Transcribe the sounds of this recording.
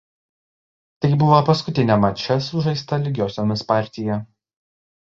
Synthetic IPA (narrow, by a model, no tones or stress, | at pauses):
t̪ɐɪbʊʋoːpɐskʊt̪ʲɪnʲɛmɐt͡ʃʲɛsʊʒɐɪst̪ɐlʲɪɡʲoːsʲoːmʲɪspɑˑɾʲt̪ʲɪjɛ